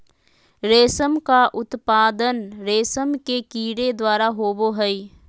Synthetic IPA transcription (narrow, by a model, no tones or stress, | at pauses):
ɾeːsəmkaʔʊt̪paːd̪ənɾeːsəmkekiːɽed̪waːɾaɦoːboɦɛi